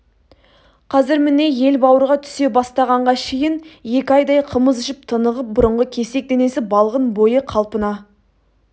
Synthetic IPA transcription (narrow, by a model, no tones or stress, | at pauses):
qʰɑzɪɾmɪne̞je̞lbɑwəɾʁɑt̪ʰʏ̥se̞bɑst̪ɑʁɑɴʁɑkʰe̞jɪnje̞kʲɪɑjd̪ɑjqʰəməzʏʃɪp̚t̪ʰənəʁəp̚bʊɾəɴʁəkʲʰe̞se̞k̚d̪e̞ne̞sɪbɑlˠʁənbo̞jəqʰɑlˠpənɑ